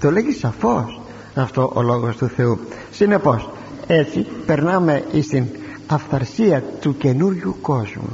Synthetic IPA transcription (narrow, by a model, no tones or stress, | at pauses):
t̪o̞le̞ʝisɐfo̞s | ɐft̪o̞ʔolo̞ɣo̞st̪uθe̞u | sine̞po̞s | e̞t͡sipe̞ɾnɐme̞ist̪in | ɐfθɐɾsiɐt̪uce̞nuɾʝuko̞zmṵ